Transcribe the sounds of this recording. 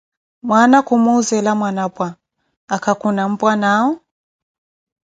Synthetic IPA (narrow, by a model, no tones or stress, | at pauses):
mwanakʰumuzɛlamwanapʼwaː | kʰakʰunam̩pʼwanaɔ